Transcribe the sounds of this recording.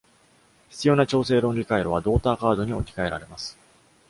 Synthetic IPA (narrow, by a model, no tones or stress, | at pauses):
çi̥t͡sɨjo̞ːnat͡ɕo̞ːse̞ːɾõ̞nɾʲikaiɾo̞β̞ad̪o̞ːt̪aːkaːd̪o̞ɲ̟iokʲi̥kae̞ɾa̰ɾe̞masɨ̥